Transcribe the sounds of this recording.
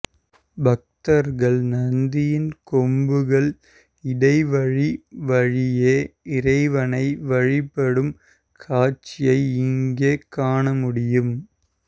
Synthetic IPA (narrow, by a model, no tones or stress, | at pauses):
bɐk̚t̪ɐɾɣɐɭnɐnd̪ɪjɪnkɔmbɯɣɐɭ | ɪɽɐɪʋɐɻiʋɐɻɪjeːɪɾɐɪʋɐnɐɪʋɐɻɪpːɐɽɯm | kʰaːt͡ʃːɪjɐɪɪŋɡeːkaːɳɐmʊɽɪjɯm